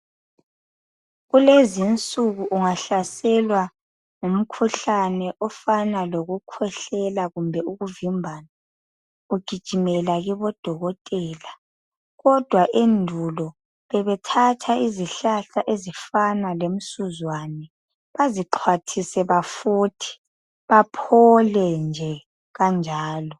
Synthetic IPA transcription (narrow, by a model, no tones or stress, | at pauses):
ɣulezint͡sʼuɣuʔuŋaɬasɛlwa | ŋum̩kʰuɬanɛʔɔfanaloɣukʰwɛɬɛlaɣumbʱɛuɣuvimbʱaːna | uɡ̥ʱid̥ʒ̥ʱimɛlaɣiβɔd̥ʱɔɣɔtʼɛːla | ɣɔd̥ʱwaʔendʱulɔ | βɛβɛtʰatʰaiziɬaɬaʔezifanalem̩suzwanɛ | βaziǃʰwatʰisɛβafuːtʰi̥ | βapʰɔlɛnd͡ʒʱɛ | ɣand͡ʒʱaːlɔ